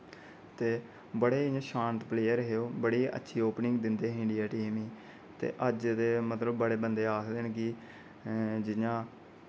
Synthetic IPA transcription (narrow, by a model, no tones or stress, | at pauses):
t̪eː | bəɽeːɪãʃãːnt̪pleːjəɾɦeːoːbəɽiːʔə̰tːʃʰiːoːpnɪ̃ŋɡd̪ɪnd̪eːɦɪɳɖijaːʈiːmiː | t̪ḛːʔəd͡ʒt̪eːmət̪ləbːəɽeːbənd̪eːaːkʰd̪enɡiː | d͡ʒɪjãː